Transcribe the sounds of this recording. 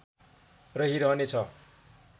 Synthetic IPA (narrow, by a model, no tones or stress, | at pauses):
rʌɦiɾʌɦnet͡sʰʌ